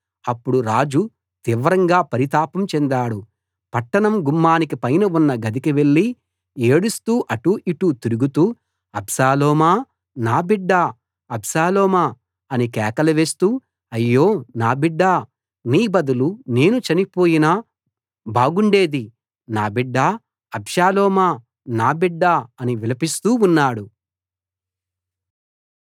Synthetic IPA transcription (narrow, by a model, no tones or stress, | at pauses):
ɐpːuɽuɾaːd͡ʒu | t̪iʋɐɾɐŋɡaːpɐɾit̪aːpɐmt͡ʃɛnd̪aːɽu | pɐʈːɐɳɐmɡumːaːnikipɐjnɐunːɐɡɐd̪ikiʋe̞ɭːi | eːɽust̪uːʔɐʈuʔiʈut̪iɾuɡut̪uː | ɐbsaːlɔːmaː | naːbiɖːaː | ɐbsaːlɔːmaː | ɐnikɛːkɐlɐʋe̞ːst̪uː | ɐjːo̞ːnaːbiɖːaː | niːbɐd̪ulune̞ːnut͡ʃɐnipo̞ːjina | baːɡuɳɖe̞ːd̪i | naːbiɖːaː | ɐbʃaːlɔːmaː | naːbiɖːaːɐniʋilɐpist̪uːunːaːɽu